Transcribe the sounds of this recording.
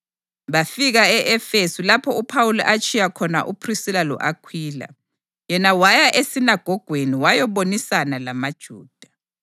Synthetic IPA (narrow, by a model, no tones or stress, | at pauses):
βafiɣaɛʔɛfesulapʰɔupʰawulɔ̰ʔat͡ʃʰʼijakʰɔna̰ʔupʰrisilalɔ̰ʔakʰwiːla̰ | jɛnawajaʔesinaɡ̥ʱɔɡ̥ʱweniwajɔβonisanalamad̥ʒ̥ʱuːd̥ʱḁ